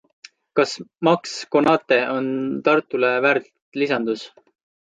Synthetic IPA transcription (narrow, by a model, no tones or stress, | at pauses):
kɑsmɑksko̞nɑːt̪ːˑe̞ʔo̞nt̪ɑrt̪ːˑulevært̪lisɑnd̪̥us